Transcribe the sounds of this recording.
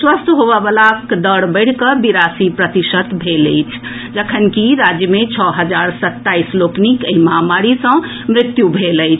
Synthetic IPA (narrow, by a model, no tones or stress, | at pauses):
swəst̪ʰɦobəbəlakd̪əɽbəɪɽ̤kəbiɾasipɾət̪isət̪bʱelə̰jt͡ʃʰ | d͡ʒəkʰənkiɾad͡ʒjəmet͡ʃʰɔɦəd͡ʒaɾsət̪ːaisloknikəiməɦamaɾisə̃ | mɾɪt̪jubʱelət͡ʃʰ